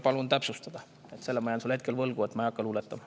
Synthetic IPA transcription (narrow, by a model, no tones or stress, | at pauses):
pɑlunt̪æpsust̪ɑd̪̥ɑ | e̞t̪se̞lːemɑjɑnsulhe̞t̪̚ke̞lvɤlɡ̥ue̞t̪ːmɑjɑkːɑlulet̪ːˑɑmɑ